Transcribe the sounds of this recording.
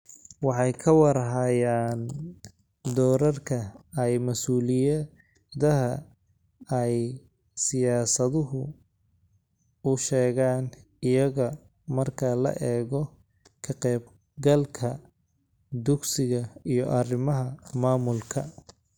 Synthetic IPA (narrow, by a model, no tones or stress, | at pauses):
wɑħɑjkʰɐwɑɾɦɐjaːn | d̪ɔːɾɐrkʰɐɛjmɐsuːlɪjɐ | ðɐɦɐ | ɛj | sɪjaːsɐðʊɦʊ | ʊʃɛːɣaːn | ɪjɐɣɐ | mɐrkʰɐlɐ̰ʔɛːɣɔ | kʰɐqɛːb̚ | ɡɐlkʰɐ | d̪ʊɡsɪɣɐijɔʔɐrɪmɐɦɐmaːmʊlkʰɐ